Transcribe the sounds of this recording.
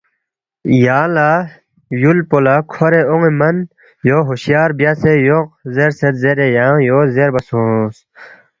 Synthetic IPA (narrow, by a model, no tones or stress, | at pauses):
jaːla | julpolakʰoɾeoŋemɐn | joːɦuɕjaːɾbjaːsejoq̚zeːɾset̪zeɾejaːjoːzeɾbɐsõs